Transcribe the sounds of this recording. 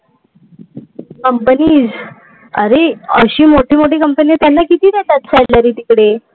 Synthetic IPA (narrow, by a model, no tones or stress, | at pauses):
kəmpəniːd͡z | ə̰ɾeəɕiːmoʈʰiːmoʈiːkəmpənit̪janːakit̪iːd̪et̪at̪sɛllaɾiːt̪ikɽe